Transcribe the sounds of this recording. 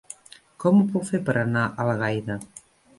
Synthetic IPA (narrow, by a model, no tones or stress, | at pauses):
kɔmupɔwfeɾpəɾʔanaʔalɣajðɐ